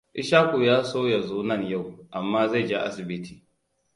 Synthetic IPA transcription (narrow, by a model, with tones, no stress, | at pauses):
ʔɪ˦ʃaː˦kʷu˨jaː˦soː˦ja˨zoː˦nɐ˦˨nja˦˨wʔa˨mːaː˦za˦˨d͡ʒa˦ʔa̰˦sɪ˨bɪ˦tʰi̥ː˨